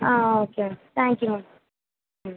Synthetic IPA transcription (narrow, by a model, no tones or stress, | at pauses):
aoket̪ʰæ̃ŋkju